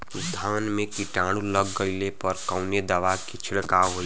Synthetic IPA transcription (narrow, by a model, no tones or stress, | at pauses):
d̪ʱaːnmẽkiʈãːɽ̃uləɡːəilepɐɾkəʊned̪ɐʋakit͡ʃʰɪɽkaɦoi